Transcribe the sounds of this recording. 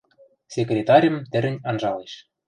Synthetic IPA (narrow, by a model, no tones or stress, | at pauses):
sʲekrʲet̪ɑɾʲə̆mt̪ɘ̆ɾɘ̆nʲɑnʒɑleʃ